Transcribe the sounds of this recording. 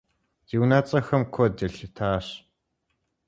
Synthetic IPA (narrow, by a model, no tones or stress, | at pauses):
z̥iwnaːt͡sʼɐxɐmkʰɔdɨɬtʰaːɕ